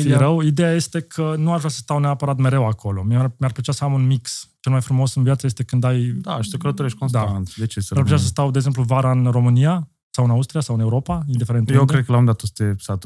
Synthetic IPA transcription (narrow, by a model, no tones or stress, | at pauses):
eɾəwid̪ejaje̞st̪e̞kʰənuaʃvɾʲasəst̪awneapəɾat̪me̞ɾe̞wakʰo̞lo̞mmʲarplət͡ʃasəamunmikst͡ʃe̞lmajfɾumo̞sɨnvijat̪səjest̪e̞kɨnd̪ajd̪aʃi̥sekələt̪oɾeʃkonsd̪aant̪d̪et͡ʃesəeaɾrplet͡ʃʲasəst̪awd̪eɡze̞mpluvaɾaɨnro̞mɨnija | sawɨnaust̪ɾijasawɨne̞uɾo̞paind̪ifeent̪jekɾed̪̚kəlamd̪at̪ost̪esat̪